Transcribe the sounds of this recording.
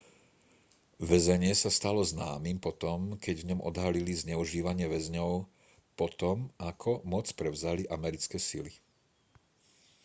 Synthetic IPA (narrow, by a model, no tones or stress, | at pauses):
ʋɛzɛɲɪɛsast̪alɔznaːmimpɔt̪ɔmkɛɟvɲɔmʔɔ̰d̪ɦalilizɲɛuʒiːʋaɲɪɛʋɛzɲɔʊ | pɔt̪ɔmakʰɔmɔt͡spɾɛʊzaliʔamɛɾit͡skɛːsḭli